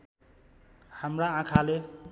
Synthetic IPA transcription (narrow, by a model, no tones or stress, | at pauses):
hamraãkʰale